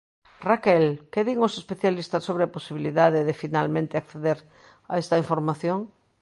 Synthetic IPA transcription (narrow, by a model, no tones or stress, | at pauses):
rakelkeðiŋosespeθjalist̪asːoβɾeaposiβiliðaðeðefinalmẽnt̪eakθeðeɾ | a̰est̪ɐiɱfoɾmaθjoŋ